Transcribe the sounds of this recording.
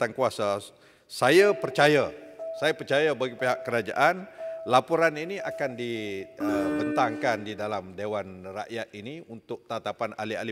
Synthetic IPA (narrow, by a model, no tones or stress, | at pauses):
aŋkuasa | sajapərt͡ʃajasajapərt͡ʃajabaɡipeɦaʔkəɾad͡ʒa̰ʔanlapuɾaniniakandiəbənt̪aŋkandidalamdewanra̰ʔjat̪̚iniunt̪ʊk̚t̪at̪apana̰lia̰li